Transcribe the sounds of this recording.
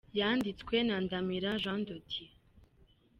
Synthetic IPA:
jaːndit͡skwenandamiɾaʒandotʰi

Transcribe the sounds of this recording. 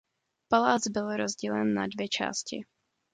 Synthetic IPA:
palaːt͡sbɪlɾozɟilɛnːa̰dvjɛt͡ʃa̰ːscɪ̰

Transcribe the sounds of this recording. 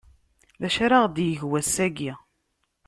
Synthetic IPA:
læʃaɾaʁd̪jəʝwæsːæɡi

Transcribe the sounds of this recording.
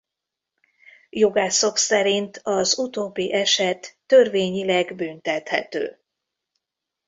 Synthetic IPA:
jo̞ɡaːsoksɛɾint̪ʰɒzut̪oːbːiʔɛʃɛt̪ːø̞rveːɲilɛɡbynt̪ɛt̪hɛ̰t̪ø̰ː

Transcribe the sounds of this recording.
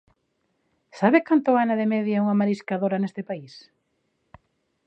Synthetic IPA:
saβɪkant̪ʊanaðemɛðjauŋamaɾiskaðoɾanest̪ɪpais

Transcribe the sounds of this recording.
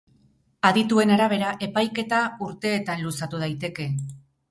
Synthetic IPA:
aðit̪ue̞naɾaβ̞e̞ɾaʔe̞pajke̞t̪auɾt̪e̞ːt̪anlusat̪uð̞ajt̪e̞ke̞

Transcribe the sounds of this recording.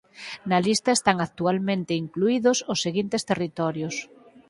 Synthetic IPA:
nɐlist̪ɐest̪aŋak̚t̪ualmẽnt̪eiŋkluiðosʊsːeɣint̪est̪erit̪ɔɾjos

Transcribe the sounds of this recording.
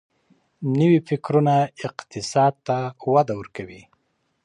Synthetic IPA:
nəwifɪkɾunaɪqt̪ɪsɑd̪̚t̪awad̪awəɾkawi

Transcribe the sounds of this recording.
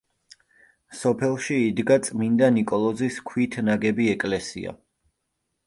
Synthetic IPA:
sɔpʰɛlˠʃiːd̪ɡat̪sʼmind̪anikʼɔlˠɔziskʰwit̪ʰnaɡɛbiɛkʼlɛsḭa̰

